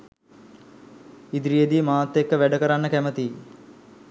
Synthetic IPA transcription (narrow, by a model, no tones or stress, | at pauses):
id̪ɾijəd̪iːmaːt̪ːekːəʋæɖəkəɾanːəkæmət̪iː